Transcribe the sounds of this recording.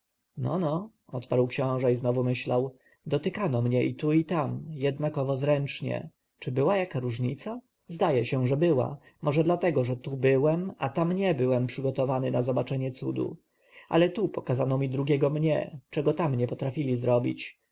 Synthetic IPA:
nɔ̰nɔ | ɔt̪paɾwkɕɔ̃w̃ʐɛiznɔvumɘɕlaw | d̪ɔt̪ɘkanɔmɲɛʔit̪uit̪amjɛd̪̚nakɔvɔzɾɛnt͡ʂɲɛ̰ | t͡ʂɘbɘwajakaɾuʐɲit̪sa | zd̪ajɛɕɛʐɛbɘwa̰ | mʔɔʐɛd̪lat̪ɛɡɔʐɛt̪ubɘwɛmat̪amɲɛbɘwɛmpʂɘɡɔt̪ɔvanɘnazɔbat͡ʂɛɲɛt̪sud̪ṵ | a̰lɛt̪upɔkazanɔmʲid̪ɾuɡʲɛɡɔmɲɛ̰t͡ʂɛɡɔt̪amɲɛpɔt̪ɾafʲilʲizɾɔbʲḭt͡ɕ

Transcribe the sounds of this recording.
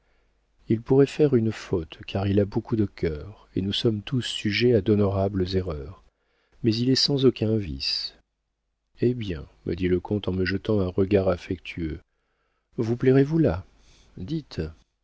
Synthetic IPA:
ilpuʁɛfɛʁynfot̪kʰaʁilabokud̪əkʲʰœʁḛnusɔmt̪usːyʒead̪ɔnɔʁabləzeʁœʁ | mɛzilɛsɑ̃zɔkʲʰɛ̃vḭs | ebjɛ̰̃mʔə̰d̪iləkʰɔ̃t̪ɑ̃məʒət̪ɑ̃ɛ̃ʁəɡaʁafɛkt̪ʰyø | vuplɛʁevula | d̪it̪

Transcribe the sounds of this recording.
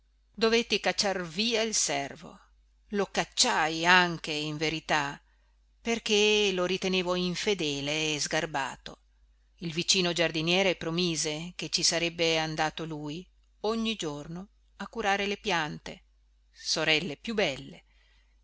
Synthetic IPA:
d̪ovet̪ːikat͡ʃːarviːailsɛrvo̰ | lokat͡ʃːajaŋk̟eiɱveɾit̪a | perk̟eloɾit̪eneːvoiɱfed̪ɛːleːzɡarba̰ːt̪o | ilvit͡ʃiːnod͡ʒard̪injɛːɾepɾomiːzek̟et͡ʃːisaɾɛbːeand̪aːt̪oluːj | oɲːid͡ʒorno | akːuɾaːɾelepjant̪e | soɾɛlːepjubːɛlːe

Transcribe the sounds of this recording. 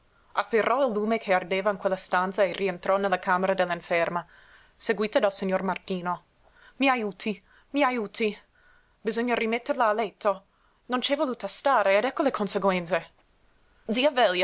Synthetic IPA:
afːerːʔɔilːuːmekʰeard̪eːvainkwelːast̪ant̪saerient̪ɾɔnelːakʰaːmeɾad̪elːiɱfɛrma | seɡwiːt̪od̪alsiɲːormart̪iːno | miajuːt̪ʰi | miajuːt̪ʰi | bizoɲːarimɛt̪ːerlaːlɛt̪ʰːo | nont͡ʃɛvoluːt̪ast̪aːɾeɛd̪ɛkːolekʰonseɡwɛnt̪se | d̪ziːavɛlja

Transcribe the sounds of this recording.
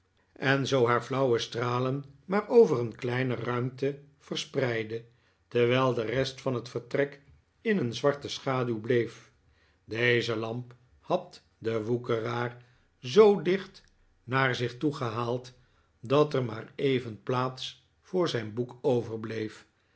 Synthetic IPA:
ɛnzowɦaːɹvlʌwəstraːlənmaːɹowvərənklɛjnərœɥmtə | v̥ərsprɛjdə | tɛɹʋɛlˠdərɛstfɑnɦətfəɹtrɛk | ɪnənzʋɑɹtəsχaːdylblejf | dejzəlɑmp | hɑt̚ | dəʋukəraːr | zowdɪχt | naːɹzɪχtuχəɦaːlˠt | dɑtəɹmaːɹejvənplaːts | fʊːɹzɛjnbukowvəɹblejf

